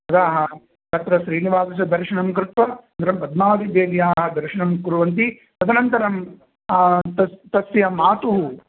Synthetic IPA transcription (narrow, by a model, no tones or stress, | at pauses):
ɐd̪aːɦɐ | k̪ɐt̪ɾɐʃɾiːniʋaːsɐs̬ɐd̪ɐɾʃɐɳɐmkɾɪt̪ʋɐɐnd̪ɐɾɐmpɐd̪̚maːd̪ibeːd̪jaːɦɐd̪ɐɾʃɐɳɐmkuɾuʋɐnt̪̬i | t̪ɐd̪ɐnɐnt̪ɐɾɐm | t̪ɐt̪ɐsjɐmaːt̪uɦu